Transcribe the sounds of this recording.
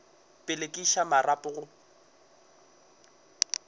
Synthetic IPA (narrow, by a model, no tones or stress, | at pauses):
pʼɪlekʼiʃamarapʼʊɣʊ